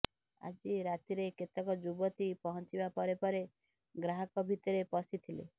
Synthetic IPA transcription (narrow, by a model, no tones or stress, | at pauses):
a̰d͡ʒiɾat̪iɾeket̪ɔkɔd͡ʒubɔt̪ipɔɦɔnt͡ʃibapɔɾepɔɾe | ɡɾaɦɔkɔbʱit̪ɔɾepɔsit̪ʰilḛ